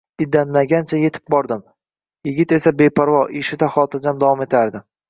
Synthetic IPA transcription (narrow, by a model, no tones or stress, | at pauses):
ɪd̪ːanlaɡʲant͡ʃʰaje̞t̪ʰɪ̥p̚bɒɾd̪ɪm | jɪɡʲɪt̪e̞sabe̞pʰaɾvɒʔeʃɪd̪aχɒt̪ʰad͡ʒamd̪avɒme̞t̪ʰaɾd̪ɪ